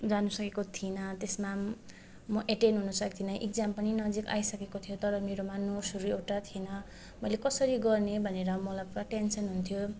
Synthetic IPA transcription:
d͡zanusʌkekot̪ʰinʌt̪esma | mʌʔeʈenɦunʌsʌkit̪ʰinʌʔek̚d͡zampʌninʌd͡zika̰jsʌkekot̪ʰijot̪ʌɾʌmeɾomanosuɾueʈat̪ʰienʌ | mʌjlekʌsʌɾiɡʌrnebʱʌneɾʌmʌlapʌʈensʌnɦunt̪ʰjo

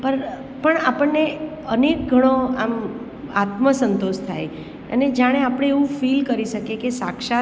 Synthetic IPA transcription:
pəɾ | pəɳapəɳːe | ənek̚ɡʱəɽ̃oam | a̰t̪məsənt̪oʃt̪ʰaj | ə̰ned͡ʒaɽ̃eapɽ̃eːʋũfilkəɾiʃəkekesa̰kʃa

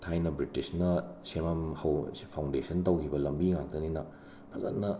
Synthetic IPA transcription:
tʰajnɐbɾitisnɐsemamhɐwspʰawndesɐntɐwkʰibɐlɐmbiŋak̚dɐninɐ | pʰɐzɐ̰t̚nɐ

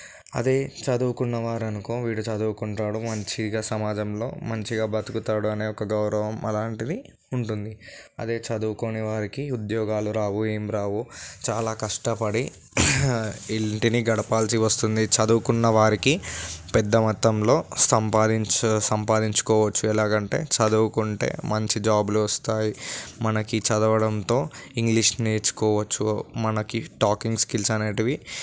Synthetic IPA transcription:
ɐ̰d̪e̞ːt͡ʃɐd̪uːkunːɐʋaːɾɐnuko̞ːʋiːɽut͡ʃɐd̪uːkuɳʈaːɽumɐɲt͡ʃiɡaːsɐmaːd͡ʒɐmlo̞̰ːmɐɲt͡ʃiɡaːbɐt̪ukut̪aːɽuɐne̞ːɔkɐɡɐwɾɐʋɐmʔɐlaːɳʈid̪i | uɳʈund̪iɐ̰d̪e̞ːt͡ʃɐd̪uːko̞ːniʋaːɾikiud̪jɔːɡaːluɾaːʋueːmɾaːʋut͡ʃaːlaːkɐʂʈɐpɐɽi | ilɳʈiniɡɐɽɐpaːlsiʋɐst̪und̪it͡ʃɐd̪ukunːɐʋaːɾikipɛd̪ːɐmɐt̪ːɐmlo̞ːsɐmpaːd̪iɲt͡ʃsɐmpaːd̪iɲt͡ʃu̥kɔːʋɐt͡ʃːuɛlaːkɐɳʈe̞̰ːt͡ʃɐd̪uʋukuɳʈe̞̰ːmɐɲt͡ʃid͡ʒaːbuluʋɐst̪aːjimɐnɐkit͡ʃɐd̪ɐʋɐɽɐnt̪o̞ːiŋɡliʂneːt͡ʃu̥kɔːʋɐt͡ʃːumɐnɐkiʈaːkiŋɡskilsɐneːʈiʋi

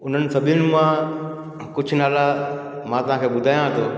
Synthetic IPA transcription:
ʊn̤ənɪ̆sɐbʱɪʊnɪ̆mã | kʊd͡ʒʰʱnaːla | mãːt̪ɐʋɦãːkʰeːɓʊd̪ʱaːjãɦɐt̪ʰoː

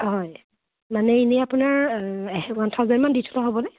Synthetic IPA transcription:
ɦɔj | manɛinɛapunaɹ | wantʰawzɛnmanditʰu̥taɦobɔnɛ

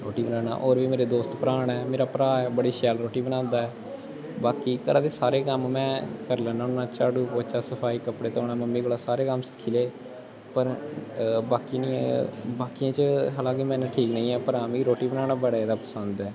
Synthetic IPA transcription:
ɾoːʈiːbənaːna̰ːʔoːɾʋiːmeːɾeːd̪oːst̪pəɾaːɳɛːmeːɾaːpəɾaːɛːbəɽiːʃɛːlɾoːʈiːbənãːnd̪aːɛː | baːkiːkəɾãːd̪eːsaːɾeːkəmːɛ̃ːkəɾlənãːʊnãːt͡ʃaːɽuːpoːt͡ʃaːsəpʰaːiːkəpɽeːt̪ːoːɳãːməmːĩːɡolaːsaːɾeːkəmsɪ̥kʰiːleː | pəɾ | baːkinḭːbaːkijãːt͡ʃəɦəlaːɡemɛ̃ːnãʈʰiːknəĩːɛːpəɾaːmĩːɾoːʈiːbənaːɽaːbəɽed̪aːpəsənd̪ɛː

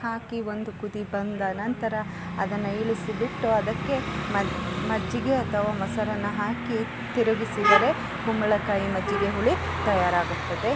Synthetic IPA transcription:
ɦaːkio̞nd̪ukud̪ibɐnd̪ɐnɐnt̪ɐɾɐ | ɐd̪ɐnːɐiɭisibiʈːuɐd̪ɐkːe̞mɐmɐd͡ʒːiɡe̞ɐt̪ʰɐʋaːmɐsɐɾɐnːɐɦaːki | t̪iɾuɡisid̪ɐɾe̞ | ɡumɐɭɐkaːjimɐd͡ʒiɡe̞ɦuɭi | t̪ɐjaːɾaːɡut̪ːɐd̪e̞

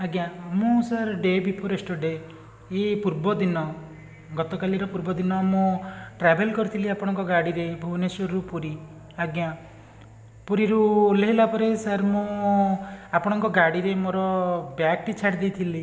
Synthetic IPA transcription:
aɡjamũsaɾɖebipʰoɾesʈɔɖe | epuɾbɔd̪inɔ | ɡɔt̪ɔkaliɾɔpuɾbɔd̪inɔmũʈɾɛbʱelkɔɾit̪ʰiliapɔɽ̃ɔŋkɔɡaɽiɾebʱonesɔɾɾupuɾi | aɡja | puɾiɾuleɦilapɔɾesaɾmũ | apɔɽ̃ɔŋkɔɡaɽiɾemoɾɔbjak̚ʈit͡ʃʰaɾd̪ijt̪ʰili

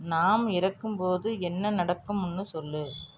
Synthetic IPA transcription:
naːmɪɾɐkːɯmpoːðɯɛnːɐnɐɽɐkːɯmʊnːɯsɔlːɯ

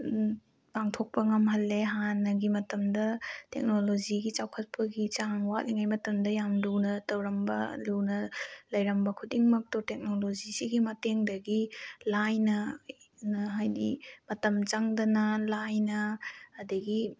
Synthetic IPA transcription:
paŋtʰok̚pɐŋɐmɦɐlːeɦanːɐɡimɐtɐmdɐtḛk̚nolod͡ʒiɡit͡ʃawkʰɐt̚pɐɡit͡ʃaŋwatliŋajmɐtɐmdɐjamlunɐtɐwɾɐmbɐ̰lunɐlɐjɾɐmbɐkʰudiŋmɐk̚totek̚nolod͡ʒisiɡimɐteŋdɐɡilajnɐnɦajdḭmɐtɐmt͡ʃaŋdɐnɐlajnɐːdɐɡi

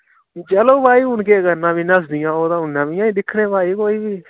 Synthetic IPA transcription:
d͡ʒəloːbaːiːʊnkeːkənãːbiːnəsd̪ɪjãːoːt̪ãːʊnːãːbɪjãːĩːɗ̪ɪkʰɽeːbaːiːkoːiːbiː

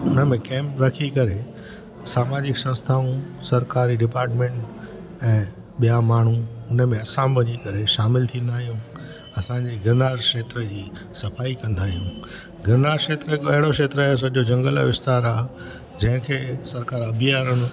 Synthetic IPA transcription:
ʊnəmẽkɛ̃ːmpɾɐkʰikɐɾe | saːmaːd͡ʑɪksɐ̃nst̪ʰaːũsɐɾkaːɾiɖɪpaːɾʈmẽːʈ | ɛ̃ː | ɓijamaːɳ̤uʊnə̆mẽɐsãːmʋɐɲikɐɾeʃaːmɪlt̪ʰĩːn̆d̪aːɦijũ | ɐsãɲd͡ʑeɡɪɾnaːɾʃeːt̪ɾəd͡ʑiː | sɐfaːikɐ̃nd̪aːɦijũ | ɡɪɾnaːɾʃeːt̪ɾəɦɪkoɐɦɪɽoʃeːt̪ɾəaːɦes̬ɐd͡ʑod͡ʑɐ̃ŋɡəlʋɪst̪aːɾaː | d͡ʑɐ̃ɦɪ̃kʰeːsɐɾkaːɾɐbʱijaːɾəñ

